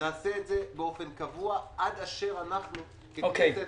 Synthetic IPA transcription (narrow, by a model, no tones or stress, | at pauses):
naːseːtzebeo̞fenkavuaʔad̪aʃe̞ʁanaχnu | keokese